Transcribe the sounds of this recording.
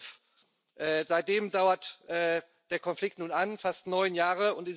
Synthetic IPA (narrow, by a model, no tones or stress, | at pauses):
f | ʔɛːzaɪt̚d̥eːmdaʊɐtʔɛː | d̥eːɐkʰɔnflɪktnuːnanfastnɔʏnjaːʁəʊntɪ